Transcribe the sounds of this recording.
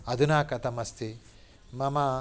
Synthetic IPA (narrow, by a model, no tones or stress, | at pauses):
ɐd̪unaːkɐt̪ɐmɐst̪ʰi | mɐma